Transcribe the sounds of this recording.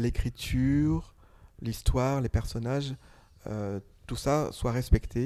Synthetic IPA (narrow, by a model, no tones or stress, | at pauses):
lekχit̪ʰyʁ | list̪waʁlepɛʁsɔnaʒ | ø | t̪usaswaʁɛspɛkt̪ʰe